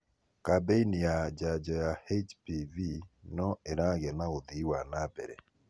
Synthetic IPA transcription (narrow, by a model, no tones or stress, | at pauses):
kabeinijad͡ʒad͡ʒɔjahet͡ʃpivinɔeɾaɣɛnaoðiwanabɛ̰ɾɛ̰